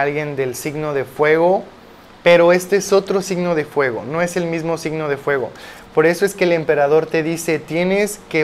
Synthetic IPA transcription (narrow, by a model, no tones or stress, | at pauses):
alɣje̞nd̪e̞lsiɣno̞ðe̞fwe̞ɣo̞ | pe̞ɾo̞e̞st̪e̞eso̞t̪ɾo̞siɣno̞ðe̞fwe̞ɣo̞̰no̞e̞se̞lmizmo̞siɣno̞ð̞e̞fwe̞ɣ̞o̞̰po̞ɾe̞so̞e̞skeːlempeɾaðo̞ɾt̪e̞ðise̞t̪je̞ne̞ske